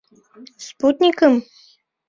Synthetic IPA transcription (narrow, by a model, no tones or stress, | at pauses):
sput̪nʲikəm